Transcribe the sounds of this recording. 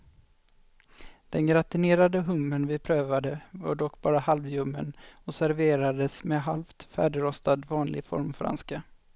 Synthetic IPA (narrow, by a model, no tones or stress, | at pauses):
d̪̥ɛnɡɾat̪ɪneːɾad̪əɦɵmːənvɪpʰɾøːvad̪əva̰ɖɔkːbɑːɾahalvjɵmːə̰nɔsæɾveːɾad̪əsmɛɦalft̪fæ̰ːɖɪɾɔst̪ad̪vɑːnlɪ̰ɡfɔ̰ɾmfɾa̰nska